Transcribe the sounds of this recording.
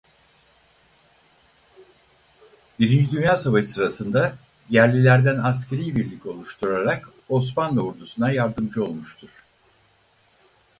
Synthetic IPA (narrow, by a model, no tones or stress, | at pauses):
biɾind͡ʒid̪ynjaːsavaʃɯsɯɾasɯnd̪a | jæɾlʲilʲæɾd̪ænas̬cʰeɾijbiɾlʲico̞lˠuʃt̪ʰuɾaɾak | o̞s̬manlauɾd̪usunajaɾd̪ɯmd͡ʒɯo̞lˠmuʃt̪ʰuɾ̥